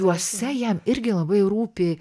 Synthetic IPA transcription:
uɔsʲɛjɛmɪɾʲɡʲɪlˠɐbɐɪɾuːpʲɪ

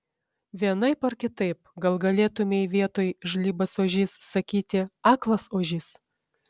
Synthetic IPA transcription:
ʋʲiɛnɐɪpɐɾkʲɪt̪ɐɪp̚ɡɐlˠɡɐlʲeːt̪ʊmʲejʋʲiɛt̪oːjʒlʲiːbɐsoːʒʲɪsːɐkʲiːt̪ʲɪɑːklˠɐsoːʒʲɪs

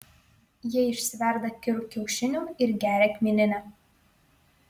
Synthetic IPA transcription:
jɪɪʃʲsʲɪʋʲɛɾd̪ɐkʲɪɾkʲɛʊʃʲɪnʲuːɪɾɡʲæːɾʲɛkʲmʲinʲɪnʲɛ

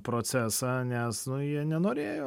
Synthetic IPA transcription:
pɾoːt̪sʲæːsɑnʲɛsnʊjiɛnʲɛnoːɾʲeːjoː

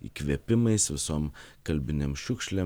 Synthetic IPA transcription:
ḭːkʋʲiɛpʲɪmɐɪsʋʲɪsoːmkɐlʲbʲɪnʲemʃʲʊkʃʲlʲeː

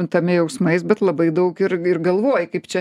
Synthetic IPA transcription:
nt̪ɐmʲɛjɛʊsmɐɪsbʲɛt̪lˠɐbɐɪd̪ɐʊkɪɾɪrɡɐlˠʋoːjkɐɪpt͡ʃʲɛ

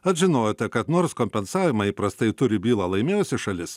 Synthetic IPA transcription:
ɐt̪ʒʲɪnoːjot̪ʲɛkɐt̪noːɾskoːmʲpʲɛnsɑːʋʲɪmɐiːpɾɐst̪ɐɪt̪ʊɾʲɪbʲiːlˠɐlˠɐɪmʲeːjʊsʲɪʃɐlʲɪs

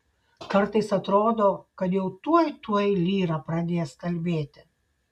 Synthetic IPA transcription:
kɐɾt̪ɐɪsɐt̪ɾoːd̪oːkɐt̪jɛʊt̪uɔjt̪uɔjlʲiːɾɐpɾɐd̪ʲeːjɛskɐlʲbʲeːt̪ʲɪ̥

